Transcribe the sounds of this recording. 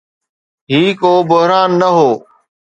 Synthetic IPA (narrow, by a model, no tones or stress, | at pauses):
ɦiːkoːbʊɦɾaːnːəɦoː